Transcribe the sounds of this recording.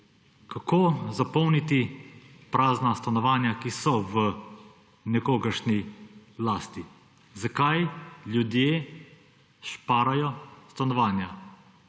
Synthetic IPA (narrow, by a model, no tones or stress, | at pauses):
kakʰoːzapɔwnit̪ipɾaːznast̪anɔʋaːnjakisɔʋə | nɛkoːɡəɾʃnilaːst̪i | zakajljud̪jeː | ʃpaːɾajɔst̪anɔʋaːnja